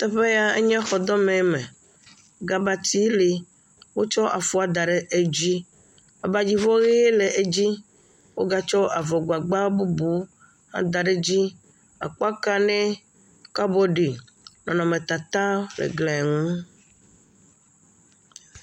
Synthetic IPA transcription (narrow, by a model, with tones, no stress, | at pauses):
t̪ɛ˦ɸe˦ja˦e˦ɲɛ̃˦xɔ˨d̪ɔ˦mɛ̃˨˦mḛ̃˨ | ɡa˨ba˨t̪i˦li˨ | wo˦t͡ʃɔ˦ʔa̰˨fu˦a˨d̪a˨ɖe˨ʔe˦d͡ʑi˦ | a˨ba˨d͡ʑi˦vɔ˦ɣe˦e˦le˨ʔe˦d͡ʑi˦ | wo˦ɡa˦t͡ʃɔ˦ʔa˨vɔ˨ɡ͡ba˨ɡ͡ba˦bu˦bu˨˦ | ha̰˦d̪a˨ɖe˦d͡ʑi˦ | a̰˨k͡pɔ˦a˦ka˦nẽ˦ | ka˦bɔ˦ɖi˨ | nɔ̃˨nɔ̃˨mẽ˨t̪a˨t̪a˦lḛ˨ɡlɛ˨ɛ˨ŋũ˦